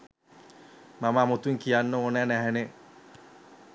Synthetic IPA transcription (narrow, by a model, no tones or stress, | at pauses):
maməːmot̪uŋkijanːəonæːnæɦæne